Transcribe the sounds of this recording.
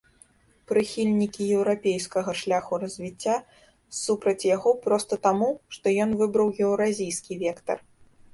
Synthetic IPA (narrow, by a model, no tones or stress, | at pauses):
pɾɨxʲilʲnʲikʲijɛwɾapʲejskɐɣɐʂlʲaxuɾɐzʲvʲit͡sʲːa | supɾɐt͡sʲjaɣɔpɾɔst̪ɐt̪amuʂt̪ɔjɔnvɨbɾɐwjɛwɾazʲijskʲivʲɛkt̪ɐ̰r